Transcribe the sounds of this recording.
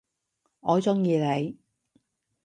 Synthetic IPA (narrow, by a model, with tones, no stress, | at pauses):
ɔː˨˧t͡sʊ˥ŋjiː˧le˨˧j